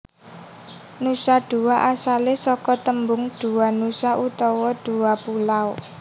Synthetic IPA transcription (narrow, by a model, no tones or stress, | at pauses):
nusaɖ̥ṳwaʔasalesɔkɔt̪əmbʊŋɖ̥ṳwanusaʔut̪ɔwɔɖ̥uwapulaw